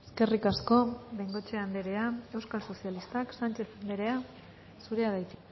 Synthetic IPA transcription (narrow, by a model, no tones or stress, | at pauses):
eske̞rikasko̞ðejŋɡo̞t͡ʃe̞and̪eɾeae̞wskalso̞sialist̪aksant͡ʃe̞sand̪eɾe̞a | suɾe̞aðajt̪